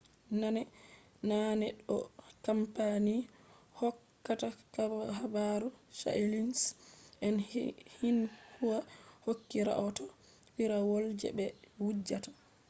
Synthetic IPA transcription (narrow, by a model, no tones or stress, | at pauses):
nanɛ | nanɛɗɔkampanihɔkːatakaɦabaɾusa̰ilinsʔɛnhinhuwahokːiɾa̰ʔɔtɔ | fiɾawɔld͡ʒɛ̰bɛwud͡ʒːatḁ